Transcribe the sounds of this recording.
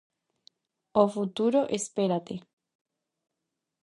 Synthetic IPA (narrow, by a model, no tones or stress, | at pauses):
ofut̪uɾoʔespeɾat̪e